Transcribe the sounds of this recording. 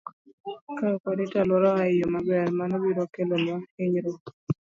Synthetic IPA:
kakadɪtalwɔɾɔaɪjomabɛrmanɔbiɾɔkelonwaɪɲɾo

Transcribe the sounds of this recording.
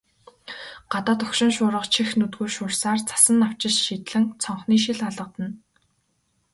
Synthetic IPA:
ɢ̥at̪aːt̪ʊkʃɪ̆ŋʃʊːɾə̆qt͡ɕʰixnɵt̪ɡoːrʃʊːrsaːrt͡sʰḁsə̆naw̥t͡ɕɪ̆t͡ɕʃit̪ɮɘ̆ŋt͡sʰɔɴχniːʃ̬iɮaɮə̆t̪ə̆n

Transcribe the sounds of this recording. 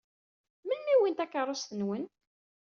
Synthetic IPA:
mənmiwint̪ækːəɾˤost̪ənwən

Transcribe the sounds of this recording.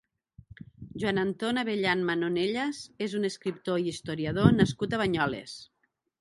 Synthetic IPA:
ʒwanant̪onaβeʎanmanoneʎazezuneskɾip̚t̪oiist̪oɾiað̞onaskut̪aβaɲɔlḛs

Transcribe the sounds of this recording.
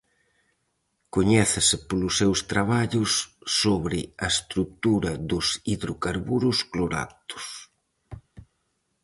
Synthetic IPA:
koɲɛθɪsɪpolʊsːewst̪ɾaβ̞aʎʊsːoβɾɪɐest̪ɾut̪uɾɐðʊsiðɾokaɾβuɾʊskloɾa̰t̪ʊ̥s

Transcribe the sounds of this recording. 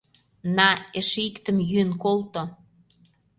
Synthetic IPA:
nɑeʃikt̪ə̆mjyənkolt̪o

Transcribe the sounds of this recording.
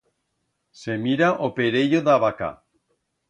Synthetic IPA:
semiɾaʔopeɾeʎoðaβaka̰

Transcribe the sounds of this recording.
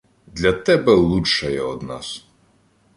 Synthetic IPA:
d̪lʲɐt̪ɛbɛlˠuʃɐjɛɔd̪nɑ̰s

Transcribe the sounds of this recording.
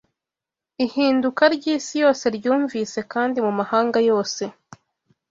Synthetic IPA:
ihiːndukaɾɟiːsijo̞ːse̞ɾɟuːɱviːse̞kaːndimumahaːŋɡajo̞ːse̞

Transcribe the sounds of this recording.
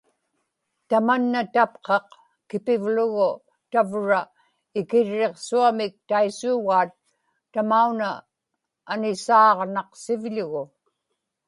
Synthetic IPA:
t̪amanːat̪ap̚qɑq | kɪpɪvlʊɣʊ | t̪avɻa | ɪkɪɻːe̞qsuamɪk̚t̪aisuːɣaːt̪ː | amaunaː | nɪsɑːʁnɑqsɪvʎʊɣʊ

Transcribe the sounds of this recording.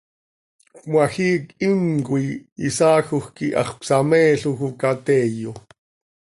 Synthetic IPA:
kmwaxiːkiŋkuiisɑːxuxkiʔɑ̰χpsamɛːɬuxukat̪ɛːjo

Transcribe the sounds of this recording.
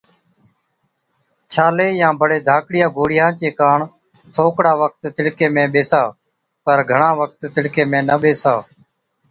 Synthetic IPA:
t͡ʃʰaːleːjãːbʱəɽeːd̪ʱaːkɽɪjãːɡʱoːɽɪjãːt͡ʃeːkaːɳ | t̪ʰoːkɽaːʋək̚t̪t̪ɪɽkeːmẽːɓeːsaː | pəɾɡʱəɳãːʋək̚t̪ːɪɽkeːmẽːnəɓeːsaː

